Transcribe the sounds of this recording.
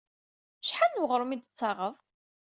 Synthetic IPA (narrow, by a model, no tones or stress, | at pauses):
ʃħanːwəʁɾˤumid̪ət͡sːɑʁəvˤ